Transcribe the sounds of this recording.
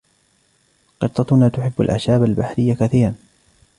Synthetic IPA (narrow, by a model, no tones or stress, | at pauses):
qɨɾt̪ˤːɑt̪ʊnaːt̪ʊħɪbːa̰lʔa̰ʃaːbalbaħɾɪjːakaθiːɾɑn